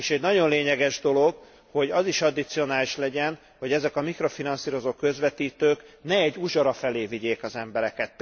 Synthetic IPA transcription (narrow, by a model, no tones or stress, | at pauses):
eʃɛɟnɒɟo̞nleːɲɛɡɛʒd̪o̞lo̞ɡ | ho̞ɟɒziʃɒd̪it̪sio̞naːliʃlɛɟɛn | ho̞ɟɛzɛkɒmikro̞finɒnsiːɾo̞zoːkø̞zʋɛt̪iːt̪øːknɛɛɟːuʒɒɾɒfɛleːviɟeːkɒzɛmbɛɾɛkɛt̪